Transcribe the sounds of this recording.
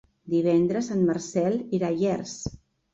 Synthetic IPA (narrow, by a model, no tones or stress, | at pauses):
d̪iβ̞ɛnd̪ɾəsanmarsɛlˠiɾaʒɛrs